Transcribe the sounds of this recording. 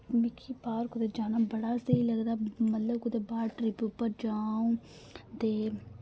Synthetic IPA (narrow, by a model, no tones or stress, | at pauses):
mɪkʰipaːɾkʊd̪ed͡ʒaːnaːbəɽasəɦiləɡd̪aːmət̪ləb̚kʊd̪ebaːʈɾɪpjuːpəɾd͡ʒaːũː | t̪eː